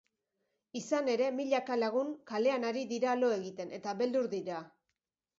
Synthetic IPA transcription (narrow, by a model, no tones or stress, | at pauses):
isane̞ɾe̞miʎakalaɣ̞uŋkale̞anaɾiðiɾalo̞e̞ɣit̪e̞ne̞t̪aβe̞ld̪uɾðiɾa